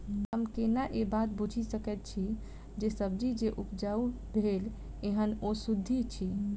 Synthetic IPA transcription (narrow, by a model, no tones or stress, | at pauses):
ɦəmkenaʔebat̪̚bud͡ʒʱisəkɛt̪̚t͡ʃʰi | d͡ʒesəb̚d͡ʒid͡ʒeʔupd͡ʒau | bʱel | eɦənosud̪ʱːit͡ʃʰi